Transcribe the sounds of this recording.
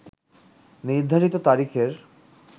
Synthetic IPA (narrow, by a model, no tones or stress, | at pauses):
niɾd̪ʱaɾit̪ot̪aɾikʰeɾ